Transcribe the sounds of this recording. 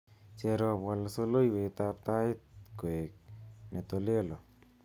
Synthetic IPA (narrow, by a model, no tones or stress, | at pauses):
t͡ʃeɾopwalasolojwet̪ap̚t̪aɪt̪̚koek̚net̪olelo